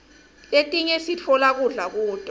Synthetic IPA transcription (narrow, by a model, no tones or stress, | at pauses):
letʼiɲɛsitʰɔlak̬uɮak̬uːd̥ʱa